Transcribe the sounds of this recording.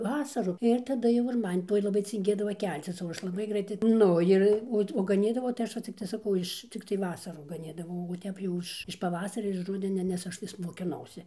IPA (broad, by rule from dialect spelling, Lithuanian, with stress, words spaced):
ˈʋɑːsɐrʊ ɪr tɐˈdɐ jɛʊ ɪr ˈmɐn ˈtoːj lˠɐˈbɐɪ t͡sʲɪŋʲˈɡʲeːdɐʋɐ ˈkʲɛlʲt͡sʲɪs oː ˈɐʃ lˠɐˈbɐɪ ˈɡrɐɪtɐɪ ˈnʊ ɪr ˈoːt oː ɡɐˈnʲiːdɐʋɐʊ tɐɪ ˈɐʃ ʋɐ ˈt͡sʲɪktɐɪ sɐˈkɐʊ ɪʃ ˈt͡sʲɪktɐɪ ˈʋɑːsɐruː ɡɐˈnʲiːdɐʋɐʊ oː ˈtʲɛp jɛʊ ɪʃ ɪʃ pɐˈʋɑːsɐrʲɛ ɪʃ ˈrʊdʲɛnʲɛ nʲɛs ˈɐʃ ʋʲɪs moːkʲɪˈnɐʊsʲɪ